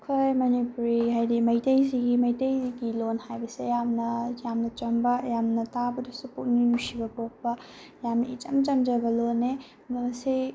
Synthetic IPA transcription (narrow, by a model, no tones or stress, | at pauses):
kʰojmɐnipuɾihajdimɐjtɐjziɡimɐjtejziɡilonhajbɐsejamnɐjamnɐt͡ʃɐmbɐjamnɐtabɐdusupuk̚nijusibɐpok̚pɐjamnɐḭt͡ʃɐmt͡ʃɐmd͡ʒɐbɐlone | mɐɐsi